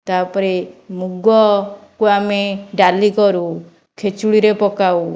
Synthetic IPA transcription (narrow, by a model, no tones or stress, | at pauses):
t̪aɾpɔɾemuɡɔkuameɖalikɔɾu | kʰet͡ʃuɽiɾepɔkaw